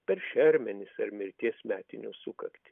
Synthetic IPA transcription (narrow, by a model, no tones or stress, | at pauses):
pʲɛɾʃʲɛɾʲmʲɛnʲɪsɐɾmʲɪɾʲt̪ʲiɛsmʲæːt̪ʲɪnʲuːsʊkɐ̰kt̪ʲɪ̥